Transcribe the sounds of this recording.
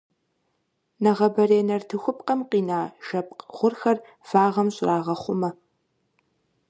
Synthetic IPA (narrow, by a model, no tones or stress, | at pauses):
nɐʁɐbɐreːnɐrtʰɨxʷʊp̚ʼqɐmqiːnaːʒ̥ɐpʼqʁʷʊrxɐr | faːʁɐmɕʼraːʁɐχʷʊmɐ